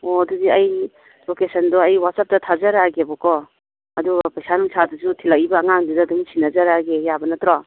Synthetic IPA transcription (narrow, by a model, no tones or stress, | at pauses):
ɔɐdudiɐj | lokesɐndɔɐjwat̚sap̚tɐtʰazaɾaɡebɔkɔ | ɐduɡpɐjsanuŋsʰaduzutʰilakibɐːŋaŋdidaduŋsʰinɐzaɾaɡejabɐnɐtɾɔ